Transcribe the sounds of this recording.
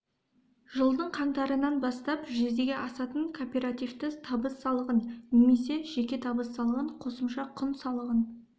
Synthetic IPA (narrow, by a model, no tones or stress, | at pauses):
ʒəlˠd̪əɴqʰɑɴt̪ɑɾənɑnbɑst̪ɑpʒezd̪e̞ɡʲeʔɑsɑt̪əɴkʰopʲe̞ɾat̪ijft̪ət̪ʰɑbəsːɑlˠəʁənneme̞se̞ʒ̥e̞kʲe̞t̪ʰɑbəsːɑlˠəʁəɴqʰo̞səmʃɑqʰʊnsɑlˠəʁən